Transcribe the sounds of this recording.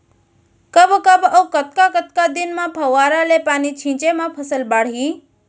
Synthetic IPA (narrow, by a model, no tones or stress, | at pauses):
kəbkəbəwkət̪̚kakət̪kad̪inmãpʰɐwaːɾalepaːnit͡ʃʰĩt͡ʃemãpʰəsəlbaːɽ̤i